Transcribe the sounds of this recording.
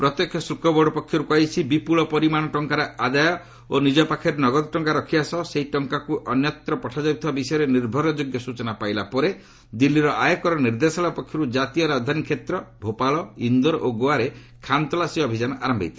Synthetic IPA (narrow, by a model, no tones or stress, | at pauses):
pɾɔt̪jɔkʰjɔsɾukɔbɔɽɔpɔkʰjɔɾukɔjt͡ʃʰibipuɭɔpɔɾimaɽ̃ɔʈɔŋkaɾead̪ajɔ | onid͡ʒɔpakʰɔɾenɔɡɔd̪ɔʈɔŋkaɾɔkʰibasɔseɦiʈɔŋkakuʔɔnjɔt̪ɾɔpɔʈʰad͡ʒawt̪ʰibabisɔjɔɾeniɾbʱɔɾɔd͡ʒoɡjɔsut͡ʃɔnapajlapɔɾe | d̪ilːiɾɔʔajɔkɔɾɔniɾd̪esɔlapɔkʰjɔɾud͡ʒat̪ijɔɾad̪ʱanikʰet̪ɾɔbʱopalɔind̪ɔɾʔoɡoaɾe | kʰant̪ɔlasiɔbʱid͡ʒanɔʔaɾɔmbʱa̰jt̪ʰi̥